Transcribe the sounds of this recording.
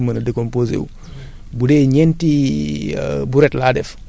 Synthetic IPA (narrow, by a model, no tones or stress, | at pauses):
mənɐdekomposḛw | budeɲɛnti | buɾɛtlaːdɛf